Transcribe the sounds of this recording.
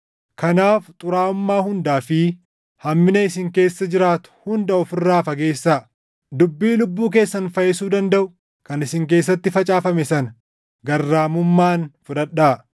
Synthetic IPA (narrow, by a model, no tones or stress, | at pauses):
kɐnaːft̪ʼʊɾaːʊmːaːhʊnd̪aːfi | hɐmːɪnɐɪsɪŋke̞ːsːɐd͡ʒɪɾaːt̪ʊ̥hʊnd̪ɐɔfɪrːaːfɐɡe̞ːsːa | d̪ʊbːiːlʊbːuːk̬e̞ːsːɐnfɐjɛsuːd̪ɐnd̪ɐʔʊ | kɐnɪsɪŋk̬e̞ːsːɐt̪ːɪfɐt͡ʃʼaːfɐmɛsɐnɐ | ɡɐrːaːmʊmːaːnfʊᶑɐᶑaː